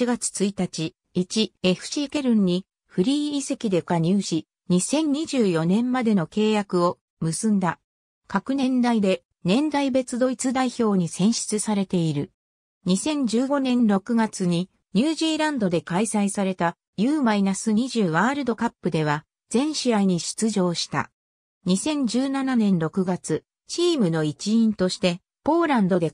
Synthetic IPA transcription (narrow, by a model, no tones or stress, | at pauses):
iɡat͡sɨ̥t͡sɨit̪at͡ɕi | it͡ɕie̞ɸɯ̟̥ɕike̞ɾɯ̟̃ɲ̟ːi | ɸɯ̟ɾʲiːse̞kʲid̪e̞kaɲ̟ʲɨːʑi | ɲ̟isẽ̞ɲ̟ɲːiʑɨːjo̞nẽ̞mmad̪e̞no̞ke̞ːjakɯ̟o̞ | mɯ̟sɨ̃nd̪a | kakɯ̟nẽ̞nd̪aid̪e̞ | nẽ̞nd̪aibe̞t͡sɨd̪o̞it͡sɨd̪aiço̞ːɲ̟isẽ̞ɕi̥t͡sɨsaɾe̞t̪e̞iɾɯ̟ | ɲ̟isẽ̞ɲ̟d͡ʑɨːɡo̞nẽ̞nɾo̞kɯ̟ɡat͡sɨɲ̟i | ɲ̟ɨːʑiːɾãnd̪o̞d̪e̞kaisaisaɾe̞t̪a | jɯːmainasɨɲiʑɨːβaːɾɯ̟d̪o̞kapːɯ̟d̪e̞β̞a | d͡zẽ̞ɰ̃ɕiaiɲ̟iɕi̥t͡sɨʑo̞ːɕi̥t̪a̰ | ɲ̟isẽ̞ɲ̟d͡ʑɨːnananẽ̞nɾo̞kɯ̟ɡat͡sɨ | t͡ɕiːmɯ̟no̞it͡ɕiĩnt̪o̞ɕi̥t̪e̞ | po̞ːɾãnd̪o̞d̪e̞